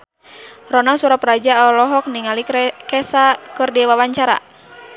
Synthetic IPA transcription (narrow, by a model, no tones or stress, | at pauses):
rɔnasuɾaprad͡ʒaɔlɔɦɔk̚niŋalikɛsakɨrdiwawaɲt͡ʃaɾa̰